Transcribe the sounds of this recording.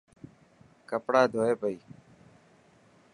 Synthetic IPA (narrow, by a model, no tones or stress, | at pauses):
kəpɽaːd̪ʱoːeːpəiː